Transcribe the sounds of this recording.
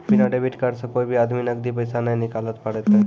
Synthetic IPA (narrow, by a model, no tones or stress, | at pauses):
pinaɖebiʈkaɾsəkojbʱiad̪minəɡd̪ipəjsanajnikalət̪pəɽɛt̪ə